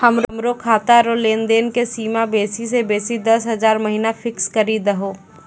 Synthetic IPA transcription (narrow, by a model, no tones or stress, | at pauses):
həmɾmɾokʰaːt̪aɾoːleːnd̪eːnkesiːmabeːsisebeːsid̪ɐsɦɐzaːɾmɐɦinafʰɪkskɐɾid̪əɦoː